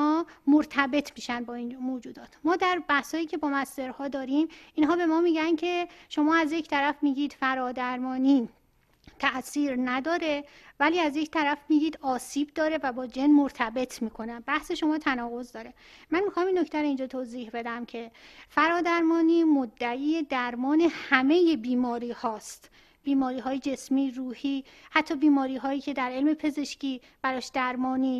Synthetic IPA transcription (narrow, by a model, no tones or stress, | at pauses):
ɒːmoɾt̪ʰæbe̞t̪ʰmiːʃænbɒːinmoːd͡ʒuːd̪ɒːt̪ʰmɒːd̪æɾbæhshɒːjiːcʰe̞bɒːmæst̪e̞ɾhɒːd̪ɒːɾimiːnɦɒːbe̞mɒːmiːɟæncʰe̞ʃo̞mɒːæzje̞cʰt̪ʰæɾæfmiːɟiːd̪̥fæɾɒːd̪æɾmɒːniː | t̪ʰæʔsiːɾnæd̪ɒːɾe̞væliːæzject̪ʰæɾæfmiːɡiːd̪ɒːsiːbd̪ɒːɾe̞væbɒːd͡ʒenmoɾt̪ʰæbe̞t̪ʰmiːkʰo̞nænbæhse̞ʃo̞mɒːt̪ʰænɒːɣo̞zd̪ɒːɾe | mænmixɒːminːoct̪æɾoind͡ʒɒːt̪ʰoːziːhbe̞d̪æmcʰe̞fæɾɒːd̪æɾmɒːniːmod̪ːæʔiːed̪æɾmɒːne̞hæme̞je̞biːmɒːɾiːhɒːst̪ | b̥iːmɒːɾiːɦɒːjed͡ʒe̞smiːruːhiː | hæt̪ʰːɒːbiːmɒːɾiːɦɒːjiːcʰe̞d̪æɾe̞lme̞pʰe̞ze̞ʃcʰiː | b̥æɾɒːʃd̪æɾmɒːniː